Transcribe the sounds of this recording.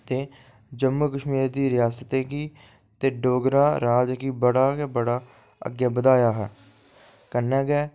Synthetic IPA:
t̪eː | d͡ʒəmːuːkəʃmiːɾd̪iːɾɪjaːsət̪ẽːkiː | t̪eːɖoːɡɾaːɾaːd͡ʒkiːbəɽaːkɛːbəɽaː | ə̰ɡjaːbəd̪aːjaːɦɛː | kənːɛ̃ːɡɛː

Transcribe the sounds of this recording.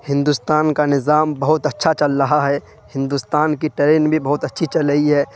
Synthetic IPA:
hɪ̃nd̪uːst̪aːnkanɪzaːmbəɦʊt̪ətːʃʰat͡ʃəlɾəɦaɦɛ | hɪ̃nd̪uːst̪aːnkiʈəɾeːnbʱibəɦʊt̪ətːʃʰit͡ʃələɦiɦɛː

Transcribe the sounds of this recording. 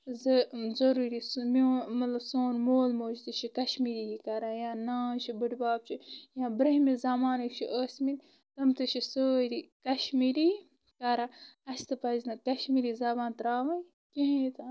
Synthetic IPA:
zɐzɐɾuːɾismomɐt̪lɐbsoːnmoːlmoːd͡ʒt̪ɨʃʰikɐʃmiːɾijikɐɾajãːnaːt͡ʃʰibɨʈbaːb̚t͡ʃʰijãːbɾɐɦmizɐmaːnɐkt͡ʃʰiʔəːsʲmin | t̪ɐmt̪ɨʃʰisəːɾikɐʃmiːɾi | kɐɾaɐst̪ɨpɐznɐkɐʃmiɾiːzɐbãːnt̪ɾaːʋɐn | keɦẽt̪a

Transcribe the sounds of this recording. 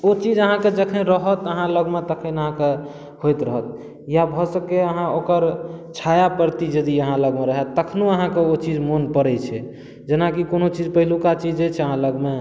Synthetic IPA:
ot͡ʃid͡ʒəɦãked͡ʒəkʰənɾəɦət̪əɦãləɡmet̪əkʰənəɦãke | hojt̪ɾəɦət̪̚ | jabʱɔsəkeəɦãokəɾt͡ʃʰajapəɾt̪id͡ʒəd̪iəɦãləɡmeɾəɦɛt̪ːəkʰnoəɦãkeot͡ʃid͡ʒmonpəɾɛt͡ʃʰɛ | d͡ʒenakikonot͡ʃid͡ʒpəɦilukat͡ʃid͡ʒet͡ʃʰɛəɦãləɡme

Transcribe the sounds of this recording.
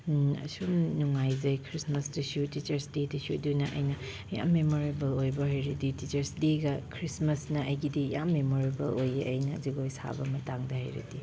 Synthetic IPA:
ɐ̰sumnuŋajzɐjkʰɾismɐsdɐsiutit͡ʃɐɾsdedɐsiudunɐʔɐ̰jnɐ | ja̰mːemoɾebɐlojbɐɦɐjɾɐditit͡ʃɐɾsdiɡɐkʰɾismɐsnɐɐjɡidijamːemoɾibɐlojeʔɐjnɐziɡojsa̰bɐmɐtaŋdɐhɐ̰jɾɐ̰di

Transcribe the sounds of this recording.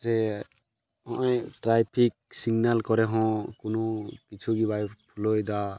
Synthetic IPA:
sɛ | ɔ̃ʔɔjʈɾajpʰik̚siɡnalkɔɾɛɦɔ̃kunɔkit͡ʃʰuɡibajpʰulojd̪a

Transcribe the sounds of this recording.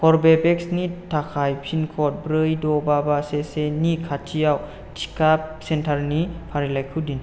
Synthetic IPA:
kʰɔɾbebeksnitʰakʰajpʰinkʰɔt̚bɾɯjdɔbabasesenikʰatʰijaw | tʰi̥kap̚sentʰaɾnipʰaɾilajkʰɯwdin

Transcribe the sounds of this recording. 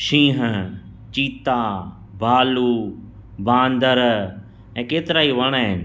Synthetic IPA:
ʃĩːɦ | t͡ʃiːt̪a | bʱaːluː | bãːnd̪əɾ | ɛ̃ːkeːt̪ɪɾaːiʋəɽ̃en

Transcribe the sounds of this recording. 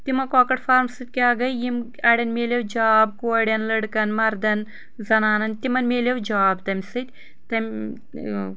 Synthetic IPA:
t̪imɐkoːkɐʈfaːɾmsɨt̪̚ʲkeaɡɐjjim | ɐɽʲɐnmeːlʲɐwd͡ʒaːbkoɽʲɐnlɐɽkɐnmɐɾd̪ɐn | zɐnaːnɐnt̪imɐnmeːlʲɐwd͡ʒaːbt̪ɐmʲsɨt̪ʲ | t̪ɐmʲ

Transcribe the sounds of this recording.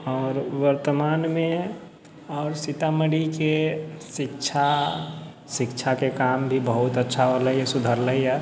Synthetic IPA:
ɔːɾʋəɾt̪əmaːnmẽ | ɔːɾsɪt̪aməɽikesɪkt͡ʃʰa | ʃɪkt͡ʃʰakekaːmbʱibəɦʊt̪ətːʃʰaɦoləisʊd̪ʱəɾləiɛ

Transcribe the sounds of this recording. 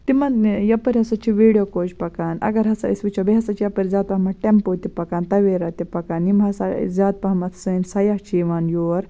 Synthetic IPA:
t̪imɐnjɐpəɾʲɦɐsat͡ʃʰiʋiɽijokoːt͡ʃpɐkaːnɐ̰ɡɐɾɦɐsa̰ḭsʋit͡ʃʰobiɦɐsat͡ʃijɐpəɾʲd͡zaːt̪̚pɐɦmɐʈempoːt̪ipɐkaːnt̪ɐʋeɾat̪ipɐkaːnimasazaːt̪̚pɐɦmɐt̪ʰsəːnsɐjaht͡ʃiʋaːnjoːɾ

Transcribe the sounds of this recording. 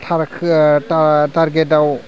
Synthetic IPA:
tʰaɾkʰtataɾɡet̚aw

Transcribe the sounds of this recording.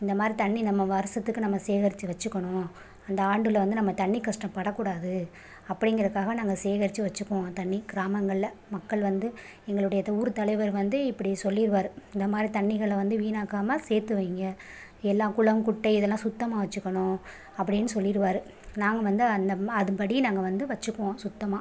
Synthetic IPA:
ɪnd̪ɐmaːd̪ɾit̪ɐɳːinɐmːɐʋɐɾɐsɐt̪ːɯkːɯnɐmːɐseːɣɐɾɪt͡ʃːɯʋɐt͡ʃːɯkːɐɳʊ̃ | ɐnd̪ɐaːɳɖɯlɐʋɐnd̪ɯnɐmːɐt̪ɐɳːikːɐʂʈɐ̃mpɐɽɐkːuːɽaːðɯ | ɐpːɐɽɪŋɡɐɾɐðɯkːaːɣɐnaːŋɡɐseːɣɐɾɪt͡ʃːɯʋɐt͡ʃːɯkːõt̪ɐɳːikɪɾaːmɐŋɡɐɭlɐmɐkːɐɭʋɐnd̪ɯ | ɛŋɡɐɭɯɽɐjɐt̪uːɾɯt̪ɐlɐɪʋɐɾʋɐnd̪ɯɪpːɐɽisɔlːɪɾɯʋaːɾɯɪnd̪ɐmaːd̪ɾit̪ɐɳːɪɣɐɭːʋɐnd̪ɯʋiːnaːkaːmɐseːɾt̪ːɯʋiːŋɡɐ | ɛlːãːkʊɭɐʋmkʊʈːɐɪɪðɛlːãːsʊt̪ːɐmaːʋɐt͡ʃːɯkːɐɳõː | ɐpːɐɽɪnːɯsɔlːɪɾɯʋaːɾɯ | naːŋɡɐʋɐnd̪ɯɐnd̪ɐɐðɯpɐɽinaːŋɡɐʋɐnd̪ɯʋɐt͡ʃːɯkːõːsʊt̪ːɐmaː

